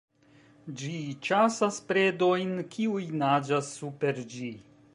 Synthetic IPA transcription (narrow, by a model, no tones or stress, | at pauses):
d͡ʒit͡ʃasaspɾe̞do̞jnkʰiujnad͡ʒasːupe̞ɾd͡ʒi